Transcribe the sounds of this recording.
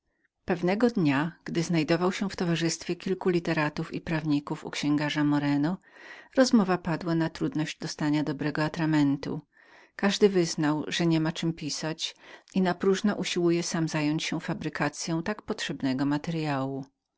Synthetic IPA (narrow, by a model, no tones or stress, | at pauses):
pɛvnɛɡɔd̪ɲaɡ̥d̪ɘznajd̪ɔvawɕɛft̪ɔvaʐɘst̪fʲjɛkʲilkulʲit̪ɛɾat̪ufḭpɾavɲikufṵkɕɛ̃ŋɡaʐamɔɾɛnɔ | ɾɔzmɔvapad̪wanat̪ɾud̪nɔʑd͡ʑd̪ɔst̪aɲad̪ɔbɾɛɡɔat̪ɾamɛnt̪ṵ | kaʐd̪ɘvɘznawʐɛɲɛmat͡ʂɘmpʲisat͡ɕinapɾuʐnɔʔuɕiwujɛsamzajɔɲt͡ɕɕɛfabɾɘkat̪sʲjɔ̃w̃t̪akpɔtʂɛbnɛɡɔmat̪ɛɾjawu